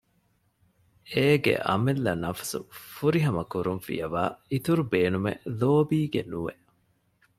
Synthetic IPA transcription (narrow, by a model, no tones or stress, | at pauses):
eːɡḛʔɐ̰melːɐnɐfɐ̥sṵfuɾiɦɐmɐkuɾunfḭjɐʋa̰ːit̪uɾubeːnumḛloːbiːɡenuʋḛʔ